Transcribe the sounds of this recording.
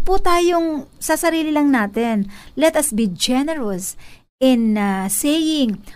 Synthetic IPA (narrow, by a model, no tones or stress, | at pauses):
put̪aːjoŋsɐsɐɾiːlɪlɐŋnaːt̪ɪnlɛt̪ɐsbid͡ʒɛnɛɹɐs | ʔɪnsejɪŋ